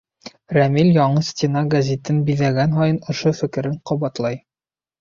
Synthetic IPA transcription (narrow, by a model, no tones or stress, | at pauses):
ɾæmilʲjɒɴɤsʲt̪ʲinɑɡɐzʲet̪ɘnbiðæɡænɦɒjɤnŏʃofɘ̆kɘ̆ɾɘɴqɒβɑt̪lˠɑj